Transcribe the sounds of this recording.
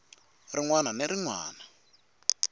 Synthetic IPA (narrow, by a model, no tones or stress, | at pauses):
riŋwananeɾiŋwa̰ːna